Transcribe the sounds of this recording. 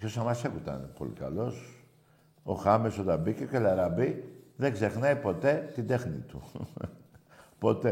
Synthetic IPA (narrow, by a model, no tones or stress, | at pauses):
çosɐmɐsekut̪ɐ̰nepo̞̰lḭkɐ̰lo̞s | o̞xɐmesot̪ɐmbicekelɐɾɐbiðeɡze̞xnɐjpo̞t̪e̞t̪ind̪e̞xnḭt̪u | po̞t̪e